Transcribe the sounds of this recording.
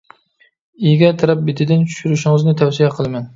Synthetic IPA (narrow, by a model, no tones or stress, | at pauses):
ijɡʲɛt̪ʰɨɾæp̚bɪt̪ʰɪd̪ɪnt͡ʃʰy̥ʃyɾɪʃɪŋɨznɪt̪ʰæwsijɛqʰəlˠɪmæn